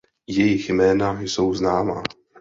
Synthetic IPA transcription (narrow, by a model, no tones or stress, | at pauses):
jɛjɪxjmɛːnajso̞wznaːma̰